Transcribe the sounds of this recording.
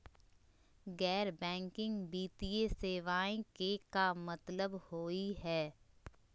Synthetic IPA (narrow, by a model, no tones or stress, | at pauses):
ɡɛːɾbɛ̃ːŋkɪ̃ŋɡbiːt̪ieseːʋaːẽkekamɐt̪ləbhoːiɦɛː